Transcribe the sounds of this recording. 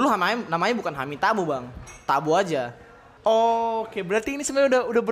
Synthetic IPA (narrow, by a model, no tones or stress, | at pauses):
luɦamanamaɲabukanɦa̰mit̪abubaŋt̪abuad͡ʒa | okebəɾart̪iːnisəmaɲaudaɦudahbə